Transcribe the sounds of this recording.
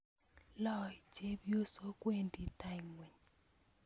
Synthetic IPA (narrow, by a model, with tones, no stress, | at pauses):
lɔ˦˨d͡ʒe˦bjo˦so˦kwe˦ndi˨ta˦jŋwe˨ɲ